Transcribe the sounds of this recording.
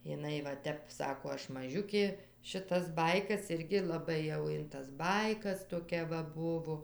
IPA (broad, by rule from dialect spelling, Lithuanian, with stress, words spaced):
jɪˈnɐɪ ʋɐ ˈtʲɛp ˈsɑːkoː ˈɐʃ mɐˈʒʲʊkʲeː ʃʲɪˈtɐs ˈbɐɪkɐs ˈɪrʲɡʲɪ lˠɐˈbɐɪ jɛʊ ɪn tɐs ˈbɐɪkɐs toːˈkʲɛ ʋɐ ˈbʊʋoː